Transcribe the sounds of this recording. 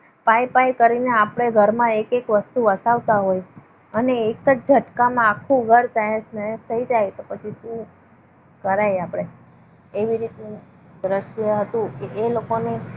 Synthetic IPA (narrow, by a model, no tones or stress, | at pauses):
pajpajkəɾineapɽ̃eɡʱəɾmãekekʋəst̪uʋəsaʋt̪aɦoj | əneːkət͡ʃd͡ʒʱəʈkamãːkʰːũɡʱəɾt̪əjə̃snəjə̃st̪ʰəid͡ʒajt̪opət͡ʃʰiʃũ | kəɾajapɽ̃e | eʋiɾit̪nũ | d̪ɾəʃjəɦət̪ũkeʔːlokone